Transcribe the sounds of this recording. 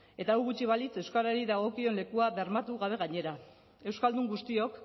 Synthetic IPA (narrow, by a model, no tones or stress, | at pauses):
e̞t̪awɣut͡ʃiβ̞alit͡se̞wskaɾaɾiðaɣ̞o̞kio̞nle̞kuaβe̞ɾmat̪uɣaβ̞e̞ɣaɲe̞ɾa | e̞wskald̪uŋɡust̪io̞k